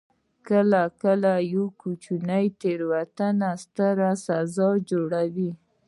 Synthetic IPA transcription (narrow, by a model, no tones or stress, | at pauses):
kəlakəlajokut͡ʃunajt̪eɾwat̪anast̪əɾasazɑd͡ʒoɽawi